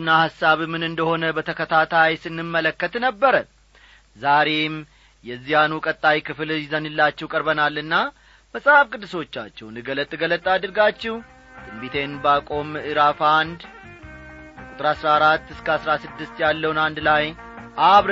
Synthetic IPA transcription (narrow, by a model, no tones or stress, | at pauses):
nːahasːaβɨmːɨnɨnd̪əho̞nəbət̪ʰəkʰət̪ʰat̪ʰajsɨnːɨmːələkːət̪nəbːəɾə | zaɾe̞m | jɛzːijanukʼət̪ʼːajkʰɨfljɪzənɨlːat͡ʃːɛwkʼəɾbənalːɨnːa | məsʼhafkʼɨd̪ːɨso̞t͡ʃːa̰t͡ʃːɛwnɨɡələt̪ʼːɨɡələt̪ʼːad̪ɨɾɡat͡ʃːɛw | d̪ʼɨmbit̪ʰe̞nbakʼo̞mɨɾafand̪ | kʼut̪ʼɨɾasɾaɾat̪ːɨskʰəasɾasɨd̪ːɨst̪jalːəwnand̪laj | ʔaβɾ